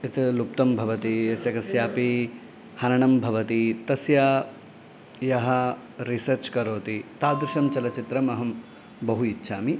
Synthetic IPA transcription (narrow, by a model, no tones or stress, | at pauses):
it̪lup̚t̪ɐmbʱɐʋɐt̪ijɐsjɐkɐsjaːpi | hɐnɐɳɐmbʱɐʋɐt̪it̪ɐsjaː | jɐɦɐ | ɾisɐɾt͡ʃkɐɾoːt̪it̪aːd̪ɾuʃɐmt͡ʃɐlɐt͡ʃit̪ɾɐmɐɦɐm | bɐɦuitːʃʰaːmi